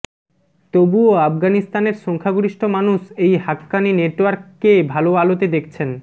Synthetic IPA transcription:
t̪obuoafɡanist̪aneɾʃɔŋkʰaɡuɾiʃʈʰomanuʃejɦakːanineʈoaɾkːebʱaloalot̪ed̪ekʰt͡ɕʰen

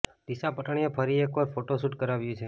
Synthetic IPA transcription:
d̪̥isapəʈɳ̃iefʰəɾiekʋəɾfʰoʈosuʈkəɾaʋjũt͡ʃʰe

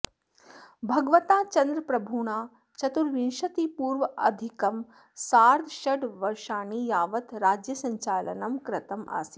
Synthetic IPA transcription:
bʱɐɡʋɐt̪aːt͡ʃɐnd̪ɾɐpɾɐbʱuːɳ̃aː | t͡ʃɐt̪uɾʋinʃɐt̪iːpuːɾʋɐɐ̰d̪ʱikɐm | saːɾd̪ʱʃɐɖʋɐɾʃaːɳijaːʋɐt̪ɾaːd͡ʒjɐsɐɲt͡ʃaːlɐ̰nɐmkɾɐt̪ɐma̰ːsi

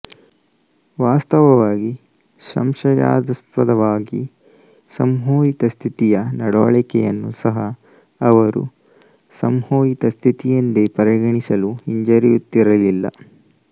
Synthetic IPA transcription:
ʋaːst̪ɐʋɐʋaːɡi | ʃɐ̰mʃɐja̰ːd̪ɐspɐd̪ɐʋaːɡi | sɐmɦoːjit̪ɐst̪ʰit̪ijɐnɐɽɔːɭɛkɛjɐnːusɐɦɐː | ʋɐɾṵ | sɐmhoːjit̪ɐst̪ʰit̪ijɐnd̪epɐɾɐɡɐɳisɐluiɲd͡ʒɐɾijut̪ːiɾɐlilːɐ̰

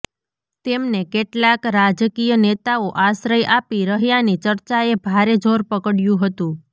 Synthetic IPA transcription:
t̪emnekeʈlakɾad͡ʒkijənet̪aoʔaʃɾəjʔapiɾəɦjanit͡ʃəɾt͡ʃaebʱaɾed͡ʒʱoɾpəkəɽjũɦət̪ũ

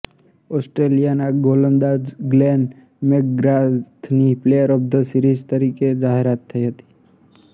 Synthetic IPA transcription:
ɔsʈɾelijanaɡolənd̪ad͡ʒɡlɛn | mekɡɾat̪ʰniplejəɾəb̚d̪ʱəsiɾizt̪əɾiked͡ʒaɦeɾat̪ʰːəiɦət̪i̥

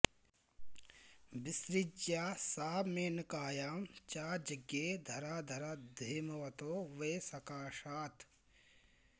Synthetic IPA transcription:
bisɾid͡ʒjaːsaːmeːnkaːjaːmt͡ʃaːɾd͡ʒɐɡeːd̪ʱɐɾaːd̪ʱɐɾɐd̪ʱeːmɐʋɐt̪oːʋeːsɐkaːʃaːt̪

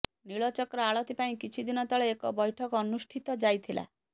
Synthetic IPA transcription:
niɭɔt͡ʃɔkɔɾɔaɭɔt̪ipaĩkit͡ʃʰid̪inɔt̪ɔɭeekɔbɔjʈʰɔkɔɔnusʈʰit̪ɔd͡ʒajt̪ʰilʔa̰

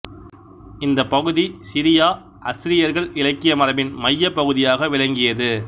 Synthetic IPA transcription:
ɪnd̪ɐpːɐɣɯðisɪɾɪjaː | ʔɐsɪɾɪjɐɾɣɐɭɪlɐkːɪjɐmɐɾɐʋɪnmɐjːɐpːɐɣɯðɪjaːɣɐʋɪlɐŋɡɪjɐðɯ

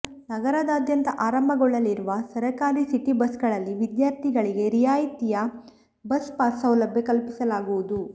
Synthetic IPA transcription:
nɐɡɐɾɐd̪aːd̪jɐnt̪ɐʔaːɾɐmbʱɐɡɔɭːɐlːiɾuʋɐsɐɾɐkaːɾisiʈːibɐsɡɐɭɐlːiʋid̪jaːɾt̪ʰiɡɐɭiɡe̞ɾijaːjit̪ijɐ | bɐspaːsɐwlɐbjɐkɐlpisɐlaːɡuʋud̪u

